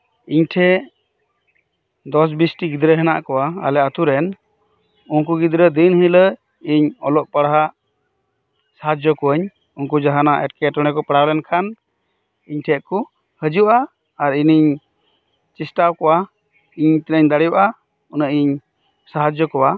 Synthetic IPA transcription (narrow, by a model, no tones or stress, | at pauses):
iɲʈʰɛ | d̪ɔs̬bisʈiɡid̪ɾəɦɛna̰ʔkɔwaa̰lɛat̪uɾɛn | unkuɡid̪ɾəd̪inhilə | iɲɔlɔʔ̚paɽaɦaʔ | saɦad͡ʒɔkɔəɲ | unkud͡ʒaɦanaʔɛʈkɛʈɔɽ̃ɛkɔpəɽawlɛnkʰan | iɲʈʰɛʔku | həd͡ʒuʔaː | ɾiniɲ | t͡ʃisʈawkɔwa | iɲt̪ɛnəɲd̪aɽijuʔa | unəʔiɲ | saɦad͡ʒɔkɔwa